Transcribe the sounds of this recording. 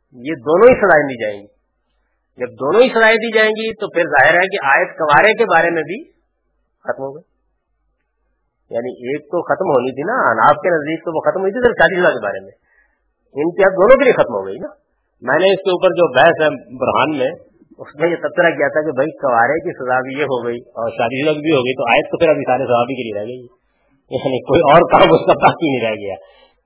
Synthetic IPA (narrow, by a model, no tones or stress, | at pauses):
jed̪oːnõɦisɐzaːed̪iːd͡ʒaːḛ̃ːŋɡiː | d͡ʒɐb̚d̪oːnõɦisɐzaːed̪iːd͡ʒaːẽːɡit̪opʰɪɾzaːɦɪɾɦɛk̬eʔaːjət̪kɐʋaːɾek̬ebaːɾemẽbʱi | xɐt̪mɦoːɡɐi | ja̰ːniʔeːk̚t̪oxɐt̪mɦoːnit̪ʰina̰na̰ːfkenɐzd̪iːk̚t̪oʋoxɐt̪mɦoːit̪ʰisɪɾfʃaːd̪isɐzakeba̰ːɾemẽ | ɪnkiɐb̚d̪oːnõk̬elijexɐt̪mɦo̰ɡɐina | mɛ̃ːneɪskeuːpəɾd͡ʒoːbɛɦɛsɦɛ̃bʊɾɦaːnmẽ | ʊsmẽjet̪ɐbsəɾak̬ijat̪ʰakebʱɐikɐʋaːɾekisɐzabʱijeɦoɡɐiɔːɾʃaːd̪id͡ʒʊd̪ak̬ibʱiɦoːɡəit̪oaːjət̪̚ːopʰɪɾɐbʱisaːɾesɐzaːbʱikelieɾɛɦɡɐi | jaːnikoːiɔːɾkaːmʊskabaːkinəɦĩɾɛːɡɐja̰ː